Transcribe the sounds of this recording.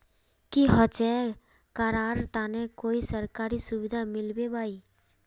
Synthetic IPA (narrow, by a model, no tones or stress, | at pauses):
kiɦət͡ʃɛ | kəɾaːɾt̪aːnekoːisəɾkaːɾisʊʋɪd̪ʱamɪlbebaːi